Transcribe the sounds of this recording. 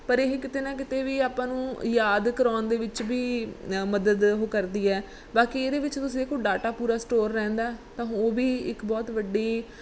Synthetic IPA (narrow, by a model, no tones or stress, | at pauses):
pəɾeɦkɪt̪eːnãːk̬ɪt̪eːʋiːaːpãːnũːjaːd̪kəɾaːnd̪eːʋɪt͡ʃbiːməd̪əd̪ɦoːkəɾd̪iːɛː | baːkiːeːd̪eːʋɪt͡ʃt̪ʊsĩkʊɖaːʈaːpuːɾaːsʈoːɾːɛ̃ːnd̪aːt̪ãːoːʋiːɪkbɔːt̪ʋəɖiː